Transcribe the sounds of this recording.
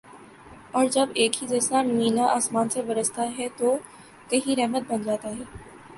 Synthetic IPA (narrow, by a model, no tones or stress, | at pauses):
ɔːɾd͡ʒɐbeːkɦizɐsɾamiːnaʔaːsmaːnseʋɐɾəst̪aɦɛt̪o | kɐɦĩɾɛɦmət̪̚bɐnd͡ʒaːt̪aɦɛː